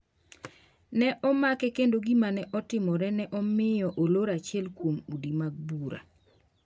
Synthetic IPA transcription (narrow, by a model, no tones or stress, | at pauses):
nɛʔɔmakɛkendoɡimanɛʔɔtɪmɔɾɛnɛʔɔmɪjɔʔoloɾat͡ʃɪɛlkwomudimaɡ̚buɾa̰